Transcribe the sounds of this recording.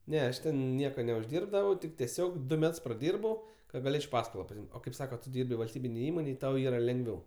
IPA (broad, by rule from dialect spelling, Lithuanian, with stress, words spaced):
ˈnʲɛ ˈɐʃ tʲɛn ˈnʲiɛkoː nʲɛʊʒʲˈdʲiːrbdɐʋɐʊ tʲɪk tʲɛˈsʲoːk ˈdʊ ˈmʲɛts prɐˈdʲiːrbɐʊ kɐ ɡɐˈlʲeːt͡ʃʲ ˈpɑːskoːlˠoː pɐsʲɪˈɪmʲtʲ oː kɐɪp ˈsɑːkɐ tʊ ˈdʲiːrʲbʲɪ ʋɐlʲsʲˈtʲiːbʲɪnʲeːj ˈiːmoːnʲeːj ˈtɐʊ ˈiːrɐ lʲɛŋɡˈʋʲɛʊ